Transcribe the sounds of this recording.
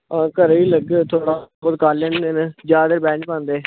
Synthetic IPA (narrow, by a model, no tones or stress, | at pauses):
ãːkəɾiːləɡt̪ʰoːɽaːbəd̪̚kaːlẽːnd̪eːned͡ʒaːd̪əɾbɛ̃ːɳt͡ʃpãːnd̪eː